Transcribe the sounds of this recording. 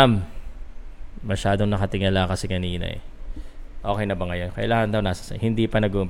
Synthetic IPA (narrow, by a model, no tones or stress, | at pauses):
am | ɐʃaːd̪o̞ŋnɐkɐt̪ɪŋɐlakɐsɛkɐniːnɐ̰ʔɛ̰ | ʔo̞ːkɛjnɐbɐŋɐjo̞nkɐjɐlaːŋɐnd̪ɐwnaːsɐ̥sɐhɪnd̪ipɐnɐɡuʔʊmp